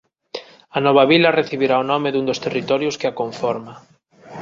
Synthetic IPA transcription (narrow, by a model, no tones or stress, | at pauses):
anɔβ̞aβilɐreθiβiɾaonɔmeðund̪ost̪erit̪ɔɾjʊskeakoɱfɔɾma